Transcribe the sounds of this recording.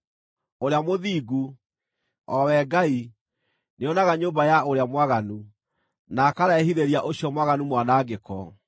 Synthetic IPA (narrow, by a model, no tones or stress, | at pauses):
oɾeamoðiːɡu | ɔwɛɡai | neɔnaɣaɲoːmbajaʔoɾeamwaɣanu | nakaɾaɛhiðeɾiaʔoɕjɔmwaɣanumwanaːɡekɔ